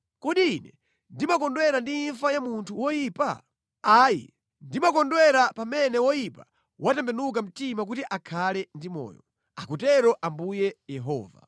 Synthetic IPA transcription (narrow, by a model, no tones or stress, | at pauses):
kɔɗiːnɛ | ndimakɔndwɛɾandiːnɱfajamuntʰuwɔjiːpa̰ | aːjḭ | ndimakɔndwɛɾapamɛnɛwɔjipa | wʔatɛmbɛnuk̬am̩timak̬utiʔakʰalɛndimɔ̰ːjɔ | akutɛɾɔʔambujɛjɛɦɔ̰ːva̰